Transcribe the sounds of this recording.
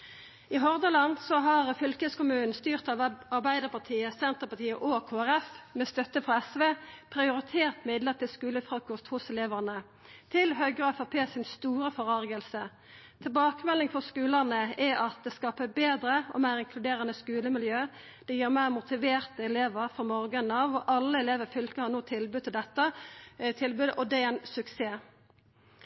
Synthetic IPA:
ɪɦɔʁd̪əlɑnd̪sɔɦɑʁfʏlkəskʊmʉːnn̩st̪yːʁt̪ɑʋɑʁbæɪd̪əpɑt̪ʰiːəsɛnt̪əʁpɑt̪ʰiːəʔokʰoːæʁɛfmɛst̪œt̪əfʁɔɛsʋeːpʰʁɪʊɾɪt̪ʰeːʁt̪mɪd̪ləʁt̪ʰɪlskʉːləfʁɑkɔst̪hʊsɛleːʋəʁnə | t̪ʰɪlɦœʏɡɛfɑpʰeːsɪnst̪uːɾəfɔʁɑʁɡəlsə | t̪ʰɪlbɑːkəmɛlːɪŋfɔʁskʉːlənəɛɑt̪̚d̪ɛskɑːpəbeːd̪ɾəɔ̰mæɪʁɪŋkʰlʉd̪eːɾənəskʉːləmɪljøː | d̪̥ɛjiːɾmæɪʁmʊt̪ʰɪʋeːʁt̪əɛleːʋəɾfɔmɔʁɡənɑʋɔʔɑlːəɛleːʋəɾfʏlkəhɑnoːt̪ʰɪlbʉd̪ʰɪld̪ɛt̪ːət̪ʰɪlbʉd̪əʔɔd̪ɛɛɪnsʉkseː

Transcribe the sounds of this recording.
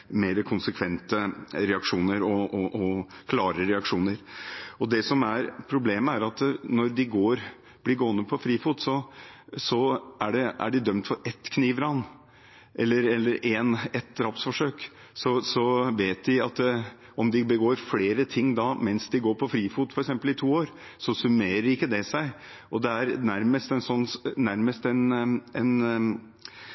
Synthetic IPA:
meːɾəkʰʊnsəkʰʋɛnt̪əɾɛɑkʂuːnəɾɔɔʔɔkʰlɑːɾəɾɛɑkʂuːnəɾɔd̪ɛsɔmæɾpʰɾʊbleːməæɾɑt̪nɔɾd̪ɪɡoːɾ | b̥lɪɡoːənəpʰɔfɾiːfuːt̪sɔsɔæɖɛæ̰ɖɪd̪œmt̪fɔɾɛt̪ːkʰniːʋɾɑn | ʔɛlːəɾɛlːəɾɛnɛt̪̚d̪ɾɑpsfɔʂøːk | sɔsɔʋeːt̪d̪ɪɑt̪ | ɔmd̪ɪbəɡoːɾfleːɾət̪ʰɪŋːd̪ɑmɛnsd̪ɪɡoːɾpʰɔfɾiːfuːt̪fɔɾɛksɛmpəlɪt̪ʰuːoːɾ | sɔsʉmeːɾəɾɪkːəd̪ɛsæɪ | ʔɔd̪ɛæɾnæɾməst̪ɛnsɔnːnæɾməst̪ɛnɛn

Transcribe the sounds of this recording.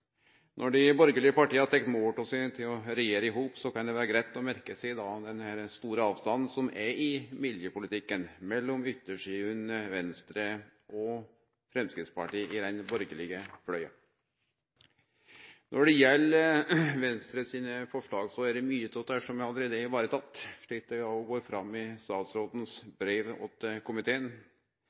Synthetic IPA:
nʔɔɖɪbɔɾɡəlɪɡəpɑʈiːəɑt̪ʰɛk̚t̪moːpɔsæt̪ʰɪlɔɾɛjeːɾəɪɦuːpsɔkɑnd̪ɛʋæːɾəɡɾæɪt̪ːɔmæɾkəsæɪd̪ɑːd̪ɛnhæɾst̪uːɾəɑːʋst̪ɑnn̩sɔmɛɾɪmɪljəpʊlɪt̪ɪkːənmɛlːɔmʏt̪ːəʂiːʉnʋɛnst̪ɾəʔɔ | fɾɛmskɾɪt̪spɑʈiːʔɪd̪ɛnbɔɾɡəlɪɡəflœʏɑ̰ | nʔɔɖɛjɛlː | ʋɛnst̪ɾəsiːnəfɔʂɭɑːɡsɔæɖɛmyːət̪ʰɔt̪æʂɔmæɾɑlːəɾeːd̪əɪʋɑːɾət̪ʰɑt̪ːʂɭiːt̪̚ɛɔɡoːɾfɾɑmːɪst̪ɑːt̪sɾoːd̪nsbɾeːʋɔ̰t̪ːəkʊmɪt̪ʰeːən

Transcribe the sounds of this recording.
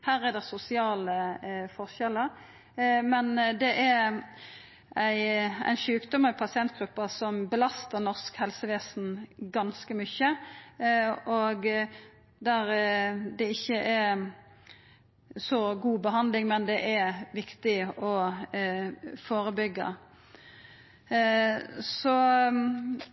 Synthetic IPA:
hæːɾɛd̪ɛsʊsɪɑːləfɔʁʃɛlːəɾ | mɛnd̪ɛʔæ | æɪæ̰ɪnʃʉːkd̪ɔməɾpʰɑsɪɛnt̪̚ɡ̥ɾʉpːəsɔmbəlɑst̪əɾnɔʁskhɛlsəʋeːsnɡɑnskəmʏçə | oɡ | d̪æɾd̪ɛɪçːəʔæɾ | sɔɡuːbəɦɑnd̪lɪŋmɛnd̪ɛʔæɾʋɪkt̪ɪɔ | foːɾəbʏɡːə̰ | sɔ

